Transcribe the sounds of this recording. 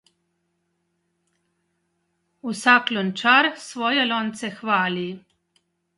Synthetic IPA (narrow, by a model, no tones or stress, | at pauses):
usaklont͡ʃaɾsʋojelont̪sexʋaːli